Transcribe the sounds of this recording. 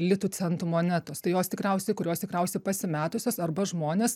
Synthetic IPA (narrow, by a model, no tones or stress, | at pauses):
lʲɪt̪uːt͡sʲɛnt̪umoːnʲæt̪oːst̪ɐɪjoːst̪ʲɪkɾʲɛʊsʲɛɪkʊɾʲoːst̪ʲɪkɾʲɛʊsʲɛɪpɐsʲɪmʲæːt̪ʊsʲoːsɐrbɐʒmoːnʲeːs